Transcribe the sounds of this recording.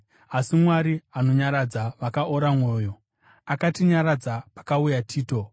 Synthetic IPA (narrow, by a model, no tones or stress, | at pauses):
asimwaɾiano̞ɲaɾad͡zaʋakaʔoɾamwoːjo̞ | akatiɲaɾad͡zapḁkaujatʰiːto̞